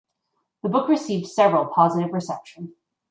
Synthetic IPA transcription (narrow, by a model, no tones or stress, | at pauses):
ðəbʊkɹɨsivd̥sɛvɹəl̩ˠpʰɑzɨɾɨvɹɨsɛpʃə̃n̩